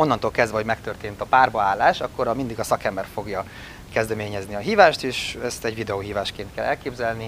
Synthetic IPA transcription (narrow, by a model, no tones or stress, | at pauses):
o̞nːɒnt̪oːlkɛzd̪vɛɦomɛkt̪ørt̪eːnt̪ɒpaːrbɒaːlːaːʃɒkːoɾɒmind̪iɡɒsɒkɛmbɛrfo̞ɡjɒ | kɛzd̪ɛmeːɲɛzniɒɦiːvaːʃt̪eːʃɛst̪ɛɟvid̪ɛoːɦiːvaːʃkeːnt̪kɛlːɛlkeːbzɛlni